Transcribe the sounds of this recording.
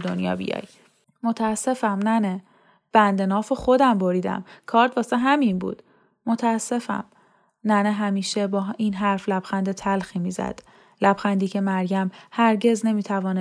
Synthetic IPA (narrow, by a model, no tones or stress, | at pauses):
d̪onjɒ̰ːbḭjɒ̰ːj | mo̞t̪ʰææsːe̞fæmnæne | b̥ænd̪e̞nɒːfexo̞d̪æmbo̞ɾiːd̪æ̰mkʰɒːɾt̪ʰvɒːseɦæminbṵːd̪̥ | mo̞t̪ʰææsːe̞fæ̰m | næneɦæmiːʃe̞bɒːʔinɦæɾflæb̥xænd̪et̪ʰælxiːmiːzæ̰d̪̥ | læb̥xænd̪iːcʰemæɾɡæmhæɾɟe̞zne̞miːt̪ʰævɒːne